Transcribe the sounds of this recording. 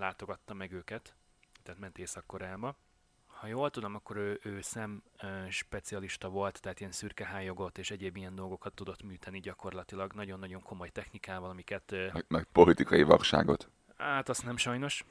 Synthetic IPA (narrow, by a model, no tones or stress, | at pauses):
laːt̪o̞ɡɒt̪ːɒmɛɡøːkɛt̪ | t̪ɛːt̪mɛnt̪eːsɒkːo̞ɾaːbɒ | hɒjoːlt̪ud̪o̞mɒkːo̞ɾøːʔøːsɛmːʃpɛt̪siɒliʃt̪ɒvo̞lt̪ːɛɦaːt̪ijɛnsyrkɛɦaːjːo̞ɡo̞t̪ːeːʃɛɟeːbijɛnd̪o̞lɡo̞kɒt̪ːud̪o̞t̪myːt̪ɛniɟɒko̞rlɒt̪ilɒɡnɒɟo̞nːɒɟo̞ŋkomo̞jt̪ɛxnikaːvɒlɒmikɛt̪mɛpo̞lit̪ikɒjiʋɒrʃa̰ːɡo̞̰t̪ | aːt̪ɒsnɛmʃɒjno̞ʃ